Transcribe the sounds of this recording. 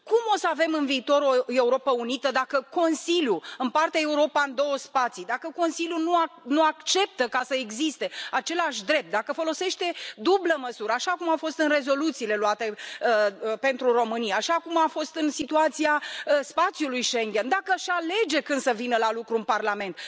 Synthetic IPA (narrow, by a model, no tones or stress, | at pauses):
kumosəave̞mɨnviːt̪o̞ɾo̞e̞uɾo̞pəunit̪əd̪akəko̞nsiljuɨnpart̪eae̞uɾo̞paɨnd̪o̞wəspat̪sid̪akəko̞nsiljunuanuakt͡ʃe̞p̚t̪əkasəeɡzist̪e̞at͡ʃe̞laʃʲd̪ɾe̞p̚t̪̚d̪akəfo̞lo̞se̞ʃt̪e̞d̪ubləməsuɾəaʃakumafo̞st̪ɨnre̞zo̞lut̪siːle̞luat̪e̞ | pe̞nt̪ɾuro̞mɨnijaːʃakumafo̞st̪ɨnsit̪uat̪siaəspat̪sjulujʃe̞ŋɡʲe̞nd̪akəʃale̞d͡ʒe̞kɨnd̪̥səvinəlalukɾuɨnparlame̞nt̪̚